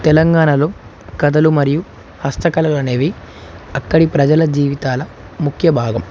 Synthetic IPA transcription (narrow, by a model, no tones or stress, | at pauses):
t̪ɛlɐŋɡaːɳɐloː | kɐd̪ɐlumɐɾiju | hɐst̪ɐkɐlɐluɐne̞ːʋi | ɐkːɐɽipɾɐd͡ʒɐlɐd͡ʒiːʋit̪aːlɐ | mukʰjɐbʱaːɡɐm